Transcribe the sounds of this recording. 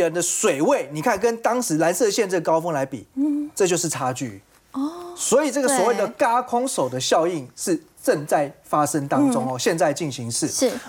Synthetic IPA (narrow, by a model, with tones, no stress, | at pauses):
ə˧˦nd̪ə˧swe˨˩ɪwe˥˨˩ɪni˨˩kʰa˥˩nkə˦nt̪ɑ˥ŋʂɻ̩˧˥la˧˦nsɤ˥˧ɕjɛ˥˧nt͡sə˥˩kɑ˥ʊfɤ˥ŋla˧˥ɪpḭ˨˩ʈ͡ʂɤ˥˧t͡ɕjo˥˧ʊʂɻ̩˥˩ʈ͡ʂʰa˥t͡ɕy̰˥˩ | swɔ˧˥i˨˩ʈ͡ʂɤ˥˩ɡə˨swɔ˨˩we˥˩ɪd̪ə˨ka˥kʰʊ˥ŋʂo˨˩ʊd̪ə˦ɕjɑ˥˧ʊi˥˨ŋʂɻ̩˥˨ | ʈ͡ʂə˥˧ŋt͡sa˥˩ɪfa˦˥ʂə˦ŋt̪ɑ˦ŋt͡sʊ˦ŋɔ˨ɕjɛ˥˧nt͡sa˥˧ɪt͡ɕi˥˩nɕi˨˦ŋʂɻ̩˥˩˥